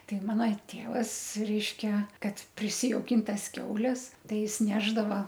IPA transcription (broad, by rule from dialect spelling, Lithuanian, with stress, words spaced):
ˈtɐɪ ˈmɑːnɐ ˈtʲeːʋɐs ˈrʲɛɪʃʲkʲɛ ˈkɐt pʲrʲɪsʲɪjɛʊˈkʲɪn ˈtɐs ˈkʲɛʊlʲɛs ˈtɐɪ ˈjɪs ˈnʲæːʒdɐʋɐ